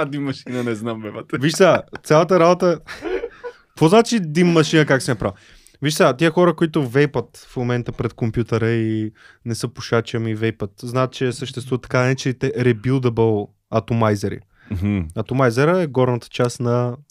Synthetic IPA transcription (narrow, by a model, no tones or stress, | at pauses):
d̪imːɐʃinənɛznamvɛbət̪viʃsat̪sʲalˠət̪̬əɾabot̪ə | kvɔznat͡ʃid̪imːɐʃinəkaksɛnɐpɾav | viʃsat̪iəxɔɾəkoit̪ʊvɛjpət̪fmomɛnt̪əpɾɛt̪̚kompjut̪əɾəi | nɛsɤpoʃat͡ʃəmivejpət̪znaət̪̚t͡ʃɛsəʃt̪ɛst̪vuvət̪ːɐ̥kanɛt͡ʃɛit̪ɛɾɛbilˠd̪əbəlˠ | ɐt̪omajzɛɾḭ | m̩ɐt̪omajzɛɾəɛɡɔɾnət̪ə̥t͡ʃasnɐ